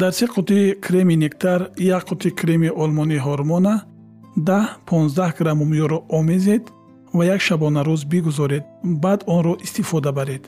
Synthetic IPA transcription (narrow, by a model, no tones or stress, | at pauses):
d̪aɾsiqʰut̪ikʰɾeminekt̪ʰaɾjakqʰut̪ʰikʰɾemiʔɔlmɔniɦɔɾmɔna | d̪ahpʰɔnzd̪ahɡɾamumijɔɾɔʔɔmezed̪ | vajakʃabɔnaɾuzbiɡuzɔɾed̪̚bad̪ɔnɾɔʔist̪ifɔd̪abaɾed̪̥